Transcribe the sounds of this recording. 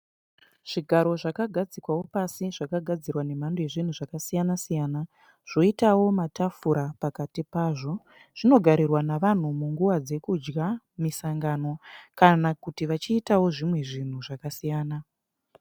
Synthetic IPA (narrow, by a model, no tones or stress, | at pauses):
ʐ̥iɡʱaɾo̞ʐakaɡʱad͡zikwawo̞pasiʐakaɡʱad͡zirwane̞mandoje̞ʐin̤uʐakasijanasijaːna | ʐ̥o̞itawo̞matafuɾapakatipaːʐo̞ | ʐ̥ino̞ɡʱaɾirwanaʋan̤umuŋɡuʋad͡ze̞kud͡ʒɡa | misaŋɡano̞kanakutiʋat͡ʃiːtawo̞ʐimwe̞ʐin̤uʐakasijaːna